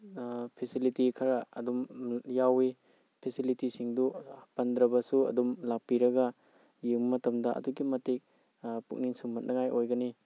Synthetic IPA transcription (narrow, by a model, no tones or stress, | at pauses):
pʰesilitikʰɐɾɐɐdumjawi | pʰesilitisiŋdupɐndɾɐbɐsuɐ̰dumlapiɾɐɡɐ | jɯŋmɐtɐmdɐʔɐ̰duɡimɐtek̚ | puk̚ninsumɐt̚nʔɐŋajʔojɡɐni